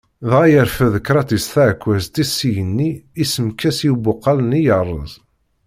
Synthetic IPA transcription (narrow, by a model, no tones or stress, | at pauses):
ðʁæjəɾfəðəkːɾˤɑt̪isθæʕkʷːæzt̪isːijənːiisəmkæsjubʊqːɑlənijərˤːə̰zˤ